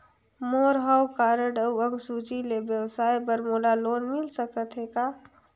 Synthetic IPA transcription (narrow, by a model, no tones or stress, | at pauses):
moːɾɦəwkaːɾəɖəwə̃ŋɡsuːt͡ʃilebjəwsaːjbəɾmoːlaloːnmɪlsəkət̪ɦeːɡaː